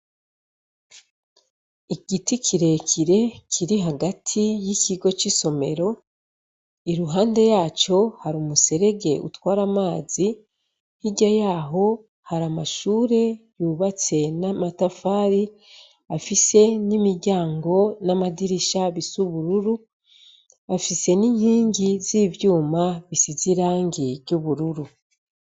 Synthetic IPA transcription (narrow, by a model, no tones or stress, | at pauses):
iɡiticʰiɾe̞cʰiɾe̞cʰiɾiɦaɡatʰijiciɡo̞t͡ʃiso̞me̞ɾo̞ | iɾuɦaːnde̞jaːt͡ʃo̞haɾumuse̞ɾe̞ɡe̞ʔṵtwaːɾamaːzi | hiɟajaːɦo̞ | haɾamaʃuːɾe̞juːβat͡se̞namatafaːɾi | afise̞nimiɾɟaːŋɡo̞namadiɾiʃaβisuβuɾuɾu | afise̞niːɲhiːɲɟizivjuːmaβisiziɾaːŋɟiɾjuβuɾuɾu